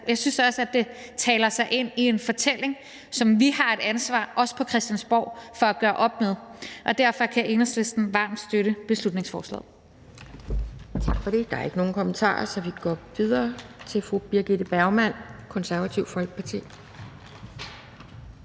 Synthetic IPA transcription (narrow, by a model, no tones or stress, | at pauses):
jɑ̈ɪsynsɒ̽səæd̥e̝t͡sʰɛːlɐsɑ̈ɪʔe̝n̰ie̝nfɒ̽t͡sʰel̰e̝ŋ | sɒ̽mʋihɑ̈e̝ɾ̥ænsʋɑ̰̈ːʔɒ̽sə̥pʰɒ̽kʰʁɛsd̥jænsb̥ɒʊ̰fɒ̽æɡ̥ɶːɐʔɒ̽b̥með̞ˠʔɒ̽d̥æɐ̰fɒ̽kʰæʔe̝nɐsle̝sd̥n̩ʋɑ̰̈md̥sd̥øɾəb̥e̝slud̥ne̝ŋsfɒ̰ːslɛ̰ːðˠ | t͡sʰɑ̈ɡ̥fɒ̽ɾ̥e̝d̥ɑ̈e̝ɡ̥əno̝ːn̩kʰo̽mənt͡sʰɑ̰̈ːɐsɒ̽ʋiɡ̥ɒ̰ʋið̞ˠɐːt͡sʰe̝lfʁub̥iɐɡ̥id̥əb̥æɐʊmæn̰kʰɒ̽nsæɐʋæt͡sʰiʊfɒ̽l̰ɡ̥̚pʰɑ̈t͡sʰḭː